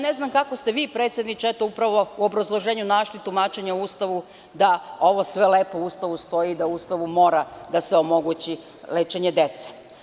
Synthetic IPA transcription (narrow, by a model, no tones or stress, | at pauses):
ne̞znamkakost̪e̞ʋiːpɾet̪sje̞d̪nit͡ʃaet̪oupɾaʋo̞uo̞bɾazlˠo̞ʒeːɲunaʃlit̪umaːt͡ʃe̞ɲauuːst̪aʋu | d̪ao̞ʋo̞sʋele̞ːpoust̪aʋust̪o̞id̪auust̪aʋumo̞ːɾad̪aseo̞mo̞ɡut͡ɕi | leːt͡ʃeɲe̞d̪e̞t̪se̥